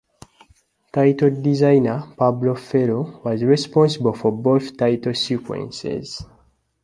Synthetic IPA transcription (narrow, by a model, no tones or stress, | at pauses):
tajtdizãjnəpablofɛɹowɔzɹɛspɔ̃nsibəlfɔboθtaɪtsikwɛ̰̃nsɛ̰z̥